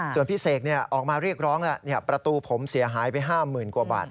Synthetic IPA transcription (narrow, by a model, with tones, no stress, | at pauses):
su˨˩ənpʰiː˥˩seː˨˩k̚ni˥˩ɐʔɔː˨˩k̚maː˧ɾi˥˩ək̚ɾɔː˦˥ŋlɛ˦˥˩ʔni˥˩əpɾa˧t̪uː˧pʰo˩˦msi˩˦ɐɦaː˩˦jpa˧jɦaː˥˩mɯː˨˩nkuː˨˧ɐba̰ː˨˩t̪̚